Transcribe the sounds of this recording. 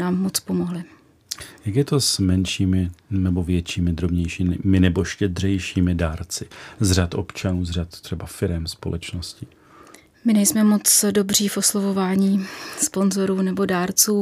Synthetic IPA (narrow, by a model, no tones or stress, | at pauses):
aːmːot͡spo̞moɦlɪ | jakjɛt̪o̞smɛnʃiːmɪnɛbo̞vjɛt͡ʃiːmɪd̪ɾobɲɛjʃiːmɪnɛboʃcɛd̪r̝ɛjʃiːmɪdaːɾt͡sɪzr̝at̪ʔo̞̰pt͡ʃanuːzrat̪t̪r̥ɛbafɪɾɛmspo̞lʔɛt͡ʃnoscɪ | mɪnɛjsmɛmo̞t͡sdo̞br̝iːfʔo̞slovovaːɲiːspo̞nzo̞ɾuːnɛbo̞daːɾt͡suː